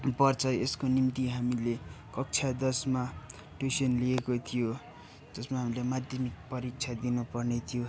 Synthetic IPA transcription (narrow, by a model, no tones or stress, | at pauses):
pʌrt͡sʰʌeskonimt̪iɦamilekʌk̚t͡sʰad̪ʌsma | ʈusʌnlijekot̪ʰijo | d͡zʌsmaɦamilemad̪ʱjʌmik̚pʌɾik̚t͡sʰad̪inupʌrnet̪ʰijo